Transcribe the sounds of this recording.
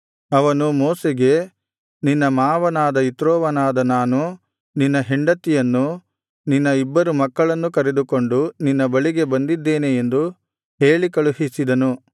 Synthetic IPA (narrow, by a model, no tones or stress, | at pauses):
ɐʋɐnumɔːseɡe̞ | ninːɐmaːʋɐnaːd̪ɐit̪ɾoːʋɐnaːd̪ɐnaːnu | ninːɐɦiɳɖɐt̪ːijɐnːu | ninːɐibːɐɾumɐkːɐɭɐnːukɐɾed̪uko̞ɳɖuninːɐbɐɭiɡe̞bɐnd̪id̪ːe̞ːneend̪u | ɦeːɭikɐɭuɦisid̪ɐnu